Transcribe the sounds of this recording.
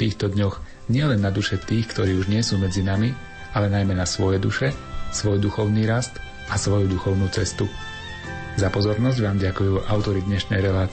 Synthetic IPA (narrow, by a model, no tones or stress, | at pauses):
t̪iːxt̪ɔd̪ɲɔx | ɲɪɛlɛnːad̪uʃɛt̪iːxkt̪ɔɾiːuʒɲɪɛsuːmɛd͡zinami | alɛnajmɛnasʋɔjɛd̪uʃɛsʋɔjd̪uxɔʊniːɾast̪ | asʋɔjud̪uxɔʊnuːt͡sɛst̪u | zapɔzɔɾnɔzɟʋaːmɟakujuːʔaʊt̪ɔɾid̪ɲɛʃnɛjɾɛlaːt͡s